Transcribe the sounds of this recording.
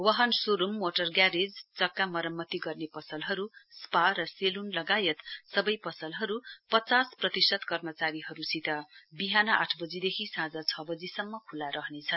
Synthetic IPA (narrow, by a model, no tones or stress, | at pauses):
wʌɦʌnsuɾumːoʈʌrɡjaɾed͡zt͡sʌkːamʌɾʌmːʌt̪iɡʌrnepʌsʌlɦʌɾusparʌselunlʌɡajʌt̪sʌbʌjpʌsʌlɦʌɾupʌt͡sasprʌt̪isʌd̪kʌrmʌt͡saɾiɦʌɾusit̪ʌbiɦanʌʔa̰ʈʰbʌd͡zid̪ekʰisãd͡zʌt͡sʰʌbʌd͡zisʌmːʌkʰulaɾʌɦnet͡sʰʌn